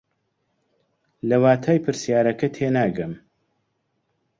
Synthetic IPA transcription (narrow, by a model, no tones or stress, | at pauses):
lɐwaːt̪ʰaːjpʰɨɾsjaːɾɐkɐt̪ʰeːnaːɡɐm